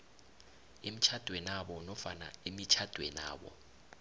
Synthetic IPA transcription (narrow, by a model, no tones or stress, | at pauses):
im̩t͡ʃʰad̥ʱwɛnaɓɔnɔfana̰imit͡ʃʰad̥ʱwɛ̰na̰ːɓɔ̰